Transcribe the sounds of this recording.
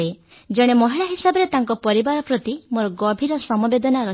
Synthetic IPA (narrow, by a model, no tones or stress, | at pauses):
e | d͡ʒeɽ̃emɔɦiɭaɦisabɔɾet̪aŋkɔpɔɾibaɾɔpɾɔt̪imoɾɔɡɔbʱiɾɔsɔmɔbed̪ɔnaɾɔ